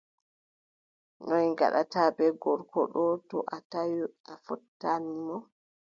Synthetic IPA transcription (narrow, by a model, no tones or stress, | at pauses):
nɔnŋɡa̰ɗa̰taːbɛɡɔɾkɔ̰ɗɔtɔʔatajuʔafɔtːanimɔ